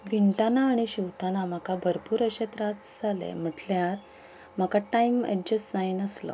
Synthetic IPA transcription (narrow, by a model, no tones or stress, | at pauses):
ʋiɳʈanaːɽ̃iɕiwt̪ʰanam̤akabʱəɾpuːɾəɕet̪ɾat͡sd͡zalḛm̤əʈljaɾ | m̤akaʈajmə̰d͡ʑəsd͡zajnəslə̰